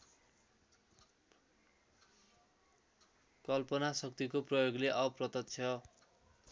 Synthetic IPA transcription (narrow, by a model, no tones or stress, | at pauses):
kʌlpʌnasʌk̚t̪ikoprʌjoɡleʔʌprʌt̪ʌt̪t͡sʰjʌ